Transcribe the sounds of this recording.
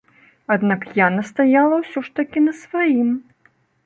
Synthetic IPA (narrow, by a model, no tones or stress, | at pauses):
ad̪nakjanɐst̪ajalˠɐwsʲɔʂt̪ɐkʲinɐsvajim